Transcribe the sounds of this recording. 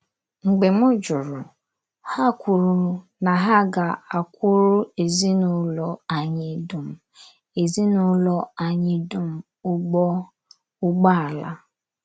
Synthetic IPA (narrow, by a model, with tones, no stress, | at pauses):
ŋ͡m̩˨ɡ͡be˨mʊ˦d͡ʒʊ˨ɾʊ˨ | ha˦kʷu˨ɾʊ˨ | na˨ɦa˦ɡa˨a˨kʷʊ˦ɾʊ˦e˨zi˦nʊ˦lɔ˨a˨ɲɪ˨du˨m̩˨ | e˨zi˦nʊ˦lɔ˦a˨ɲɪ˦du˦m̩˦ | ʊ˦ɡ͡bɔ˦ | ʊ˦ɡ͡ba˦a˨la̰˦